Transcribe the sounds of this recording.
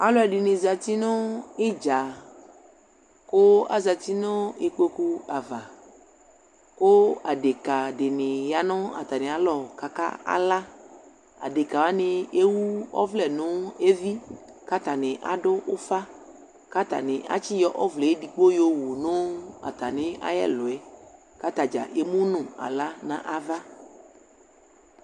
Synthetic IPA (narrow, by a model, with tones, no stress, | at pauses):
a˨lɔ˦ɛ˨ɖi˨nẽ˨za˨t̪i˦nɔ̃˦e˦d͡ʒa˨ | ko˦a̰˦za˨t̪i˦nɔ̃˦e˦k͡pe˦ku˦a˨va˨ | ko˦a˨ɖe˨ka˨ɖe˨nẽ˨ja˨nɔ̃˦a̰˨t̪a˨nẽ˨a˨lɔ˨ka˨ka̰˦a̰˦la˦ | a̰˨ɖe˨ka˨wa˦ne˨e˦wu˦ɔ̰˦vlɛ˨nʊ̃˦e˦vi˦ | ka˦t̪a˨nɪ̃˨ʔa̰˨ɖʊ˦ʔʊ˦fa˦ | ka˦t̪a̰˨nɪ̃˨ʔa̰˦t͡ʃi˦jɔ˦ʔɔ˦vlɛ˨e˦di˨k͡po˦jo˦wo˨nʊ̃˦a̰˨t̪a˨nɪ̃˨˦a̰˦jɛ̰˦lʊ˨ɛ˦ | ka˦t̪a˨d͡ʒa̰˨ʔe˦mũ˦nʊ̃˨a̰˨la˦nã̰˨ʔa˦va˦